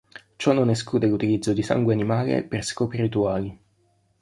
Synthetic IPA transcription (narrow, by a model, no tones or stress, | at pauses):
t͡ʃɔnːonɛskuːd̪elut̪ilid̪zːod̪isa̰ŋɡweanimaːlḛperskɔːpiɾit̪uaːli